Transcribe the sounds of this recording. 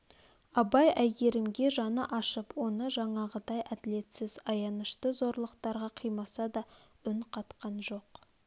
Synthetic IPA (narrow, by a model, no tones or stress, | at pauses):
ɑbɑjæjɡʲe̞ɾɪmɡʲe̞ʒɑnəʔɑʃəpwo̞nəʒɑɴɑʁəd̪ɑjʔæd̪ɪle̞t̪sɪzɑjɑnəʃt̪əzo̞ɾlˠəqt̪ɑɾʁɑqʰijmɑsɑd̪ɑ | ʏnqʰɑt̪qɑnʒo̞q